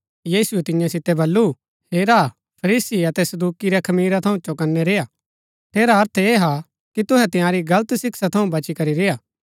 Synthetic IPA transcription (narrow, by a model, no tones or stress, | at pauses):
jiːsʊɛt̪ɪ̃jãsɪt̪ːɛbɐlːu | heːɾa | pʰɐɾiːsiɐt̪ɛsɐd̪uːkiɾɛkʰɐmiːɾat̪ʰɐũt͡ʃɔkɐnːɛɾeːja | t̪ʰeːɾaɦɐɾt̪ʰeːɦa | kit̪ʊɦɛt̪ɪ̃jãːɾiɡɐlət̪sɪksat̪ʰɐũbɐt͡ʃikɐɾiɾejaː